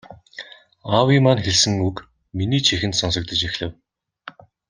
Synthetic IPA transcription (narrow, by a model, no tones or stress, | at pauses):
awimaːnxeɮsɘ̆ŋuk | miniːt͡ɕʰixɘ̆nt̪sɔnsɞ̆k̚t̪ə̆t͡ɕexɮɘ̆w